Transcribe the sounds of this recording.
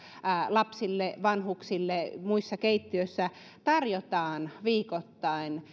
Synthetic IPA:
lɑpsilːeʋɑnhuksilːemuisːɑkeit̪ːiøsːæ | t̪ɑrjot̪ɑːnʋiːkot̪ːɑin

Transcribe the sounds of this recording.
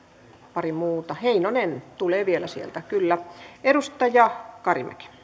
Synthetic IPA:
pɑrimuːt̪ɑheinonent̪uleːʋielæsiḛlt̪ækylːæeɾust̪ɑjɑkɑrḭmæ̰ki̥

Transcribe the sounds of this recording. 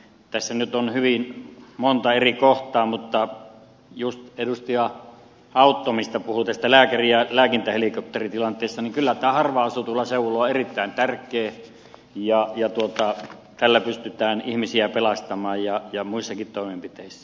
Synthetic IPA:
t̪æsːænyt̪onhyʋinmont̪ɑerikoht̪ɑːmut̪ːɑ | just̪edust̪iɑ | ɑˑut̪ːomist̪ɑpuhut̪æst̪ælæːkæriælæːkint̪æhelikop̚t̪erit̪ilɑnt̪ˑeˑːst̪ɑniŋkylːæt̪æːhɑrʋɑɑsut̪uolːɑseuloːerit̪ːæˑint̪ærkˑeː | jɑjɑt̪uot̪ɑt̪ælːæpyst̪yt̪æːnihmisiæpelɑst̪ɑmɑːjjɑjɑmuisːɑkit̪t̪oˑimempit̪eˑisːæ

